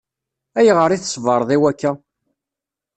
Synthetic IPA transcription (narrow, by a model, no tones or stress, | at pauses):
æjʁəɾˤiθsˤvəɾˤðˤiwækːæ